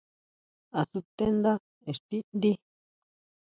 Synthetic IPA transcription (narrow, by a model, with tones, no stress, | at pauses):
a˨su˧t̪e˦nd̪a˦ | e˨ʂt̪i˦nd̪i˦